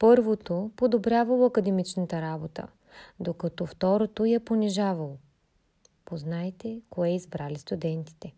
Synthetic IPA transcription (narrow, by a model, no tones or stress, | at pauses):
pɤɾvot̪opod̪obɾʲjavɐlˠoɐkəd̪ɛmit͡ʃnət̪əɾabot̪ə̰ | d̪okɐt̪ɔft̪ɔɾot̪ojɛponʲiʒavəlˠo | poznajt̪ɛkoɛizbɾalist̪ud̪ɛnt̪i̥t̪ɛ